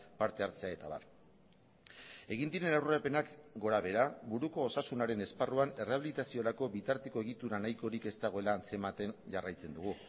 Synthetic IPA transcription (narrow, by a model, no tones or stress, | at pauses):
paɾt̪e̞aɾt͡se̞ae̞t̪aβa̰ɾ | e̞ɣ̞ind̪iɾe̞nawɾroɾape̞nakɡo̞ɾaβe̞ɾabuɾuko̞ːsasunaɾe̞ne̞sparuane̞reaβilit̪asio̞ɾako̞βit̪aɾt̪eko̞e̞ɣit̪uɾanajko̞ɾike̞st̪aɣ̞o̞e̞laːnt͡se̞mat̪e̞nʝarajt͡se̞nd̪uɣ̞u